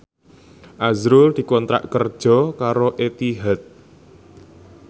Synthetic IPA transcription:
ʔazɾʊld̪̥i̤kɔnt̪ɾa̰ʔkərd̥ʒ̥ɔ̤kaɾoʔet̪iɦat̪̚

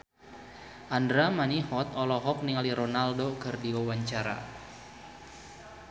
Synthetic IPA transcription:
ʔandɾamanihɔt̪̚ɔlɔɦɔk̚niŋaliɾonaldokɨrdiwawaɲt͡ʃaɾa̰

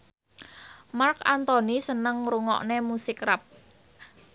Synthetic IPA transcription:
markant̪ɔnisənəŋɾuŋɔ̰ʔnemusɪkrap̚

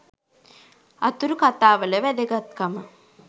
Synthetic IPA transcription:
ɐ̰t̪uɾukat̪aːʋələʋæd̪eɡat̪kamə

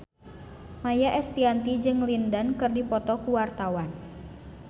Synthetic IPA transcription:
majaʔɛst̪iant̪id͡ʒɨŋlindankɨrdipɔt̪ɔkuwart̪awan

